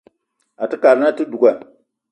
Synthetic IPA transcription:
a˨ti˦ka˨ɾna˦ti˦du˨ɡʷa˨

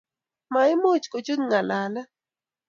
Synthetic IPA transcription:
ma˨ɪ˦mo˦t͡ʃko˨t͡ʃu˦nŋa˨la˨la˦

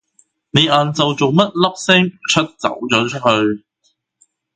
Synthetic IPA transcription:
ne˨˧jʔaː˨nt͡sɐ˨wt͡so˨wmɐ˥t̚lɐ˥p̚sɪ˥ŋ˨˩t͡ʃʰɵ˥t̚t͡sɐ̰˨˥wt͡ʃœː˨˥t͡ʃʰɵ˥t̚hɵ˧ɥ

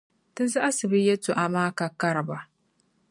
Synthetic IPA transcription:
tʊ˦za˦ʔa˦sɨ˨bɪ˦jɛ˦tu˨ʔa˨maː˦ka˨ka˦ɾba˨

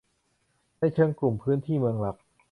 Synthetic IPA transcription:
na˧˥jt͡ɕʰɤː˧ŋklu˨˩mpʰɯː˦˥nt̪ʰiː˥˩mɯ˧əŋla˨˦˥k̚

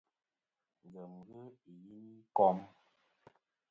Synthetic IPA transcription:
ŋ˨ɡə˨mɣə˦i˨ji˦ni˦kɔ˦m

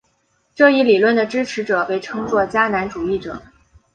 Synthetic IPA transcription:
ʈ͡ʂɤ˥˧i˥˩li˨˩lwə˥˩nd̪ə˩ʈ͡ʂɻ̩˥ʈ͡ʂʰɻ̩˧˥ʈ͡ʂɤ˨˩pe˥˩ɪʈ͡ʂʰɤ˥ŋt͡swɔ˥˩t͡ɕja˥na˧˥nʈ͡ʂu˨˩i˥˩ʈ͡ʂɤ̰˨˩˦

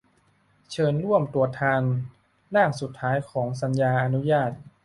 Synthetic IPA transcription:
t͡ɕʰɤː˧nɾu˥˩əmt̪u˧˩ɐt̪ʰaː˧n | laː˥˩ŋsu˨˩t̪ʰːaː˦˥jkʰɔː˩˦ŋsa˨˦njaː˧ʔa˧nu˦˥jaː˥˩t̪̚

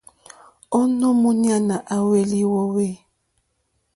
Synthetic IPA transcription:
ɔ˦nɔ˦mu˦ni˦a˦na˨ʔa˦we˦li˦wɔ˦we˦˨

